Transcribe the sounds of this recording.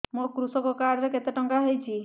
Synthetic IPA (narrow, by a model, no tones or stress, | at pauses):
mokɾusɔkɔkaɾɾeket̪eʈɔŋɡaɦejt͡ʃʰi